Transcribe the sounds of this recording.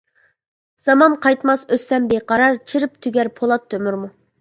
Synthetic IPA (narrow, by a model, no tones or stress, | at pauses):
z̥ɑmɑnqʰɑjt̪mɑsøsːɛmbeqʰɑɾɑɾt͡ʃʰiɾɨpt̪ʰyɡʲɛɾpʰolˠɑt̪ʰːømyɾmu